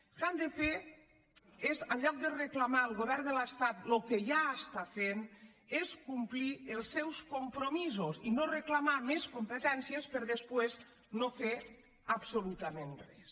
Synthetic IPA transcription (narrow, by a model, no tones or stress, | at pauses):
kand̪efe | ezalʎːɔk̚d̪ereklamaəlˠɣoβɛɾnd̪ələst̪at̪lokeʒaəst̪afen | eskumplielˠsːɛwskompɾomizosinoreklamameskompet̪ɛnsjespəɾðespwez | nofeɾ | apsolut̪amẽnrɛs